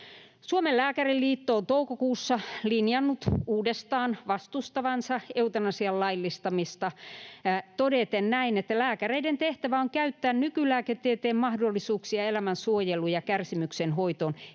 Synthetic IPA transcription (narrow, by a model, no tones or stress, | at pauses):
suomellæːkærilliːt̪ːoːnt̪oukokuːsːɑlinjɑnːut̪uːdest̪ɑːnʋɑst̪ust̪ɑʋɑnsɑeut̪ɑnɑsiɑllɑilːist̪ɑmist̪ɑ | t̪odet̪ennæinet̪ːælæːkæreident̪eht̪æʋæoŋkæyt̪ːæːnnykylæːket̪ːet̪eːmmɑhdolːisuːksiɑelæmænsuojelujɑkærsimyksenhoit̪on